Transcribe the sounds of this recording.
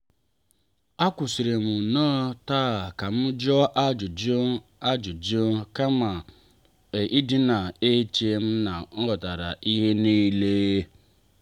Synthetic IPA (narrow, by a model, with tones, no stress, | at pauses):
a˦ku˨si˨ɾe˨mũ˨nãː˦ta˦˨ka˨m̩˦d͡ʒɔ˦ʔa˦d͡ʒu˨d͡ʒo˦a˦d͡ʒu˨d͡ʒo˦ka˦ma˨ | e˨ʔi˦di˦na˨e˦t͡ʃe˧m̩˦na˨n̩˦ɔ˨ta˨ɾa˨ʔi˦ɦe˦ni˦˧le˦